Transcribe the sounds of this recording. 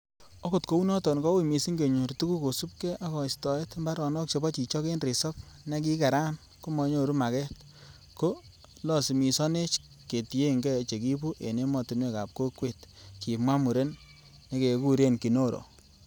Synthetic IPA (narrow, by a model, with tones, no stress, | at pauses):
ɔ˦ko˨tko˦u˦nɔ˦tɔ˨nkɔ˦wi˦˨mi˨si˦ŋɡe˨ɲu˨rtu˦ku˦ko˨su˦p̚kɛ˦ʔa˦kɔ˨stɔ˨e˦tmba˦ɾɔ˨nɔ˦k̚t͡ʃe˨bɔ˦t͡ʃi˨t͡ʃɔ˦ke˦nri˨sɔ˦p̚ | ne˦k̬i˦ka˨ɾa˦n | ko˦mɔ˨ɲo˦ɾu˦ma˨kɛ˦t̚ | ko˦ | lɔ˦˨si˨mi˨sɔ˦ne˦t͡ʃ | ke˨ti˨je˦ŋɡɛ˦˨t͡ʃe˨ki˦pu˦ʔḛ˨ne˦mɔ˨ti˨nwe˦ka̰˨p̚ko˦kwe˨tki˨mwa˦mu˨ɾe˦nː | e˨˦ke˨ku˦ɾe˦nki˨no˦ɾo̰˨